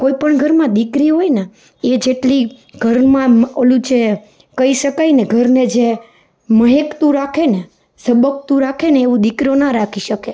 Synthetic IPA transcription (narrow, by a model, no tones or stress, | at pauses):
koipəɳɡʱəɾmãd̪ikɾiɦojne | ed͡ʒeʈli | ɡʱəɾmãməlũt͡ʃe | kəiʃəkaineɡʱəɾned͡ʒe | məɦekt̪ũɾakʰene | səbək̚t̪ũɾakʰeneːʋũd̪ikɾionaɾakʰiʃəke